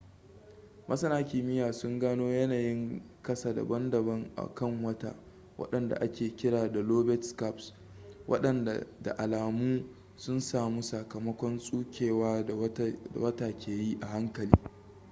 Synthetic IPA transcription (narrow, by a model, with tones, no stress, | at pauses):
mʔɐ˦sɐ˦naː˦kʲɪ˨mɪ˦jaː˨sʊ˦ŋɡaː˦noː˦jɐ˦naː˨jɪ˦ŋkɐ˦sa˨da̰˨bɐ˦ndɐ˨bɐ˦ŋʔa̰˨kɐ˦˨ŋwɐ˦ta̰˦ | wʔɐ̰˦ɗɐ˨nda̰˨ʔa˦kʲeː˨kʲɪ˦ɽaː˨da˨loː˦bɛ˦tska˦˨ps | wʔɐ̰˦ɗɐ˨na˨da̰˨ʔa˨laː˨muː˦ | sʊ˦nsaː˨mu˦sɐ˨kɐ˨mɐ˦kʷɔ˦nsʼuː˦kʲʰeː˨waː˦˨˦da̰˨wɐ˦taː˨kʲʰeː˨ji˦ʔa˨ɦa˦ŋkɐ˨liː˦